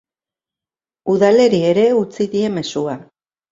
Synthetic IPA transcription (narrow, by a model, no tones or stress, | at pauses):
uðale̞ɾie̞ɾe̞ut͡siðie̞me̞sua